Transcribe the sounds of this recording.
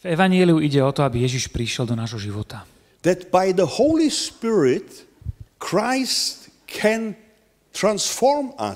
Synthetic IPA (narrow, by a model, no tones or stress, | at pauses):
vɛʋaɲɪɛliuiɟɛɔt̪ɔabijɛʒiʃpɾiʃɛld̪ɔnaːʒɦɔʒiʋɔt̪a | ðɛtb̥aɪðəhoʊlispɪɹɪt | kʰɹaɪst | kʰɛ̃n | tʰɹãnsfɔɹma̰